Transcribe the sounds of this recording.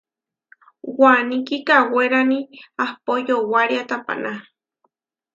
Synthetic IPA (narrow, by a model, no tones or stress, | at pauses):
wanĩkikaweɾaniahpojowaɾiat̪apa̰na